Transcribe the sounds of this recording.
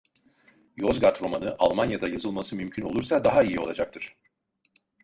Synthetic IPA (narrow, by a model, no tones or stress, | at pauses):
jo̞zɡat̪ɾo̞manɯʔalˠmanjad̪ajazɯlˠmasɯmymcʰyno̞lˠuɾsad̪aɦaijio̞lˠad͡ʒakt̪ʰɯɾ̝̥